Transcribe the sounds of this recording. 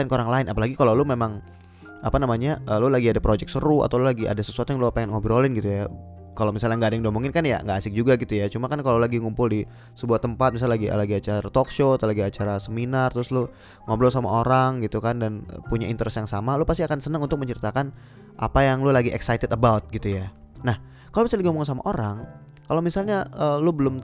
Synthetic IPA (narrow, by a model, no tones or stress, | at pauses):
nkoɾaŋlaɪnʔapalaɡikalawlumemaŋ | apanamaɲaəlulaɡiadapɾod͡ʒɛk̚səɾua̰t̪awlulaɡiʔa̰dasəsuat̪ujaŋluapaŋɛnŋobiɾolɪnɡit̪uja | kalawmisalɲaŋɡaːdaŋnduamuŋkɪnkanja̰ŋɡaːsɪk̚d͡ʒuɡaɡit̪ujat͡ʃumakankalawlaɡiŋumpʊldi | səbuaht̪əmpat̪̚mis̬allaɡḭlaɡiat͡ʃaɾat̪okʃot̪alaɡiat͡ʃaɾasəminart̪ɾʊslʊ | ŋoblosama̰ʔoɾaŋɡit̪ukandan̰puɲaint̪əɾɛsjaŋsamalupas̬t̪iakansənəŋunt̪ʊk̚məɲt͡ʃəɾit̪akan | ʔa̰pajaŋlulaɡiʔɛksajt̪ɪtəbawt̪̚ɡit̪uja | nah | kalomisaldɡiomuŋns̬ama̰ʔoɾaŋ | kalaomisalɲaəlubəlʊm